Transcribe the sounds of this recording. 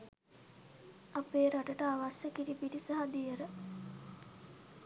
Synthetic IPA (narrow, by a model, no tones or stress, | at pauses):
apeːɾaʈəʈəaʋasjəkiɾipiʈisaɦad̪ijəɾə